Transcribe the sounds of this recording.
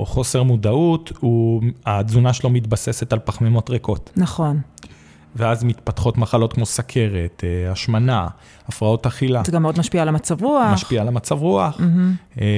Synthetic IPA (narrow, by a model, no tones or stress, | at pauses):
oχo̞se̞ʁmudautuazunaʃelomit̪basese̞talpaχmemo̞tʁeko̞tnaχo̞n | veazmit̪pat̪χo̞tmaχalo̞t̪kmo̞sakʰe̞ʁet̪aʃmana | afʁao̞taχilaɡameod̪maʃpialamat͡savʁuamaʃpialamat͡savʁuaχ̩